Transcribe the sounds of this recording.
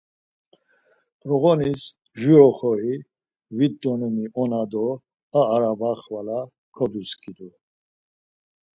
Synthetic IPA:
ɾɔɣɔnis | ʒiɾɔχɔi | vid̪ːɔnumiɔnad̪ɔ | aːɾabaχvala | kʰɔd̪uskʰʼid̪u

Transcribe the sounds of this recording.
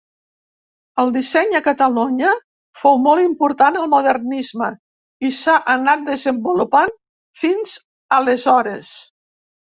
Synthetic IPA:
əlˠd̪isɛɲəkət̪əluɲə | fowmɔlˠimpuɾt̪anəlˠmuðərnizmə | isaʔənat̪̚d̪əzəmbulupan | finz̥ | ələzɔɾəs

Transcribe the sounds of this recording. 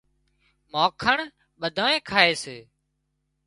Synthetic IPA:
maːkʰəɳ | ɓəd̪ʱaːẽːkʰaːeːseː

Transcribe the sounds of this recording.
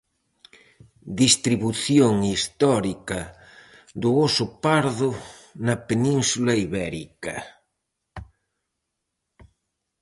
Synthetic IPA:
d̪ist̪ɾiβuθjoŋist̪ɔɾikɐ | d̪ʊosʊpaɾðʊnɐpenĩnsulɐiβɛɾḭkɐ

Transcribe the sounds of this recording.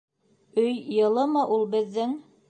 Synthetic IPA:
ɵjːɤ̆lˠɤmɤʔulˠbɘ̆ðːɘŋ

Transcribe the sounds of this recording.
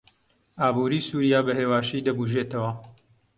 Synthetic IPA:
ʔaːbuːɾiːsuːɾijaːbɐɦeːwaːʃid̪ɐbuʒeːt̪ɐwɐ

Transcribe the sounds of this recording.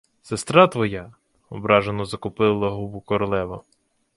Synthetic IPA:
sest̪ɾɑt̪ʋɔja | ɔbɾɑʒenɔzɐkʊpɪlˠɐɦubʊkɔɾɔlˠɛʋɐ

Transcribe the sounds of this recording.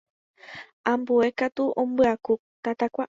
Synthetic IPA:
ãmbue̞kat̪uʔõmbɨaku | t̪at̪akʷa

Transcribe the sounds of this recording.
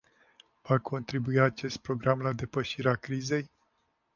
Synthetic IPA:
vakʰo̞nt̪ɾibuiat͡ʃe̞st̪̚pɾo̞ɡɾamlad̪e̞pəʃiɾeakɾize̞j

